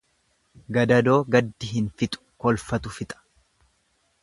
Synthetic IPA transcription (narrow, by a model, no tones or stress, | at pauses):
ɡɐd̪ɐd̪o̞ːɡɐd̪ːɪɦɪnfɪt̪ʼʊ̥kɔlfɐt̪ʊfɪt̪ʼɐ̥